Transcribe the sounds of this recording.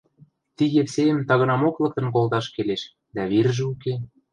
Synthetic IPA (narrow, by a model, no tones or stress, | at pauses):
t̪iɣepsejə̆mt̪ɑɣɤ̆nɑmoklɤ̆k̚t̪ɤ̆nk̬olt̪ɑʃkeleʃ | d̪æβirʒĕuke